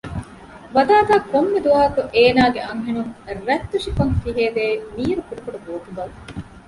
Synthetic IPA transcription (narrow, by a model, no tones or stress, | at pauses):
ʋɐd̪aːd̪aːkomːed̪uaːkuʔeːnaːɡeɐŋɦenuŋɾɛt̪ːuʂikɐŋfiɦeːd̪eːmiːɾukuɾukɐɖuboːt̪uɡɐl